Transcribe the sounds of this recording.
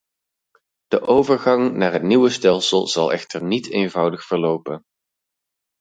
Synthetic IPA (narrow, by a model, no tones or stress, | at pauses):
d̥əʔowvəɹχɑŋnaːɹɦətniʋəstɛlˠsəlˠz̥ɑlˠɛχtəɹnitʰejnvʌwdəχfəɹlowpən